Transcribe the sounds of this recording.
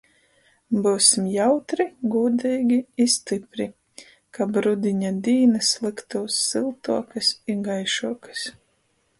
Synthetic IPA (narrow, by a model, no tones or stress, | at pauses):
buːsʲimjawt̪ɾiɡuːd̪ɛːɡʲiist̪ipɾi | kabɾud̪iɲad̪iːnɨslˠɨkt̪uːsːilˠt̪uɔkɨsiɡajʃuɔkɨ̥s